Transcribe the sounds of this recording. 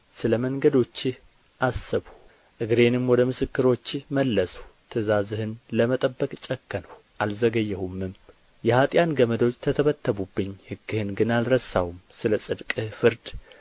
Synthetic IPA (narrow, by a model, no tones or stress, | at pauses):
sɨləməŋɡəd̪o̞t͡ʃːɪh | ʔasːɨβu | ʔɨɡɾe̞nɨmwɔd̪əmɨsɨkːɨɾo̞t͡ʃːɪhməlːəsu̥t̪ʰɨzazɨhɨnləmət̪ʼəbːəkʼt͡ʃʼɛkːənəw | ʔalzəɡəjːɛhumːɨm | jɛhat̪ʼjanɡəməd̪o̞t͡ʃːt̪ʰət̪ʰəβət̪ːəβubːɨɲːhɨɡːɨhɨnɡɨnalɾəsawumsɨləsʼɨd̪kʼɨhfɨɾd̪